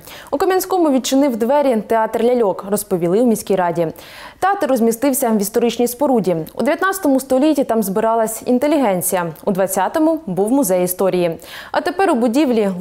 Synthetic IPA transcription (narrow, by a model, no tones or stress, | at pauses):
ʊkɐmʲɐnʲsʲkɔmʊʋʲid̪̚t͡ʃɪnɪwd̪ʋɛɾʲit̪eɑt̪rlʲɐlʲɔkrɔspɔʋʲilˠɪwmʲisʲkʲijɾɑdʲi | t̪eɑt̪rɔzʲmʲist̪ɪwsʲɐʋʲist̪ɔɾɪt͡ʃnʲijspɔɾudʲiṵd̪eʋjɐt̪nɑt͡sʲɐ̥t̪ɔmʊst̪ɔlʲitʲːit̪ɑmzbɪɾɑlˠɐsʲḭnt̪elʲiɦɛnʲt͡sʲijɐud̪ʋɐt͡sʲːɑt̪ɔmʊbuwmʊzɛjist̪ɔɾʲijiɐ̰t̪epɛɾʊbʊdʲiʋlʲi